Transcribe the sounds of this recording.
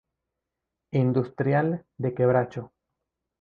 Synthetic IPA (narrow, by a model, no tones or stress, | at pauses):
ind̪ust̪ɾjald̪e̞keβɾat͡ʃo